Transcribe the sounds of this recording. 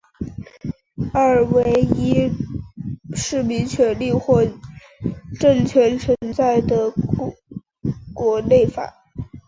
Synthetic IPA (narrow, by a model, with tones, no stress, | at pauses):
a˥˩ɻwe˧˥ɪi˥ | ʂɻ̩˥˩mi˧˥ŋt͡ɕʰɥɛ˧˥nli˥˧xwɔ˥˧ | ʈ͡ʂɤ˥˩ŋt͡ɕʰɥɛ˧˥nt͡sʰwə˧˥nt͡sa˥˩ɪd̪ə˩ | kwɔ˧˥ne˥˩ɪfa̰˨˩˦